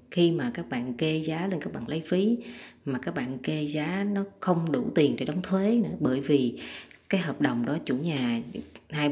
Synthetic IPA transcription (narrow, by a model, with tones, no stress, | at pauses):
xi˧maː˨˩kaː˦˥k̚ɓa̰ː˧˨nke˧zaː˨˦le˧nkaː˦˥k̚ɓa̰ː˧˨nlə˨˦jfi˨˦maː˨˩kaː˦˥k̚ɓa̰ː˧˨nke˧zaː˨˦nɔ˨˦xə˧wŋ͡mɗṵ˧˩t̪i˨˩ənte˧˦ɗwŋ͡mt̪ʰwe˨˦nɨ̰˧˥əɓəː˧˩jvi˨˩kaː˨˦jɦəː˨˩p̚ɗə˨˩wŋ͡mɗɔ˨˦t͡ɕṵ˧˩˦ɲaː˨˩haː˧j